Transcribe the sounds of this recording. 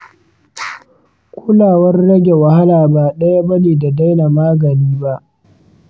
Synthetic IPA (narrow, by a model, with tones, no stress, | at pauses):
kʷʊ˦laː˨wɐ˦rːɐ˦ɡʲe˨wa˨ha˦laː˨ba˨ɗɐ˦ja˦bɐ˦niː˨da˨da˦jna˨maː˦ɡɐ˨niː˦ba˦ʔ